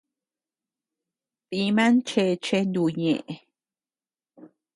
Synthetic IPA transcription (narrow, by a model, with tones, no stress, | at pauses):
pi˧mã˦nt͡ʃe˧t͡ʃe˦nd̪u˧˨ɲḛ̃˨ʔe˨